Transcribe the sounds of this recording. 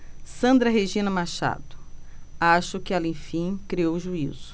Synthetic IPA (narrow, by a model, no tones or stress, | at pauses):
sɐ̃nd̪ɾɐɦeʒĩnɐmaʃa̰d̪ʊ̥aʃʊkɪalẽj̃fĩj̃kɾiowʒuiz̥ʊ̥